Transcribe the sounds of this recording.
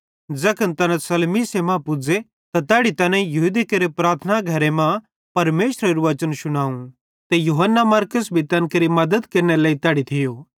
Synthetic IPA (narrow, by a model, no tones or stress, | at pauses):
d͡zɐkʰənt̪ɐnãsɐlmisemãpʊd͡ze | t̪at̪ɛːɽit̪ɐnɛ̃jɐɦud̪ikɐɾepɾaːɾt̪ʰnaɡʱɐɾemã | pɐɾmeːʃɾɐɾuʋɐt͡ʃənʃʊɽ̃aːũ | t̪ejuɦənːamɐɾkəsbʱit̪ɐnkɐɾimɐd̪əd̪kɐɾnelaːit̪ɛːɽit̪ʰɪjoː